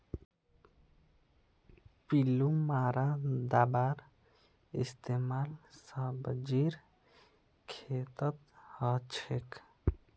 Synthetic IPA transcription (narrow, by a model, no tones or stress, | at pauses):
pilumaɾad̪aːbaːɾ | ḭst̪emaːlsəbd͡ʒiɾ | kʰet̪ət̪hət͡ʃʰek